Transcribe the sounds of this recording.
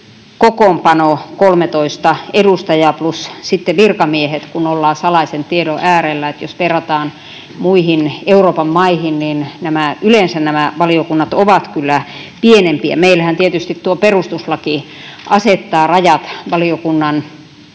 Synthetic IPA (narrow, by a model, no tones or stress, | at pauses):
kokompɑnokolmet̪oist̪ɑedust̪ɑjɑplussit̪ːeʋirkɑmiehet̪kunolːɑːsɑlɑisent̪ieɾoʔæːrelːæet̪josʋerɑt̪ɑːn | muihineuroːpɑmmɑihinniːnnæmæylensænnæmæʋɑliokunːɑt̪oʋɑt̪kylːæpienempiæ̰meilæhænt̪iet̪yst̪itt̪uoperust̪uslɑki | ɑset̪ːɑːrɑjɑt̪ʋɑliokunːɑn